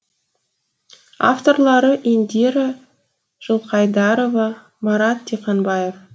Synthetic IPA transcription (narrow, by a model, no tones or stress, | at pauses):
a̰ft̪o̞rlˠɑɾəʔend̪eɾɪ | ʒ̥əlˠqɑjd̪ɑɾo̞vɑ | mɑɾɑt̪ʰːeqɑnbɑje̞f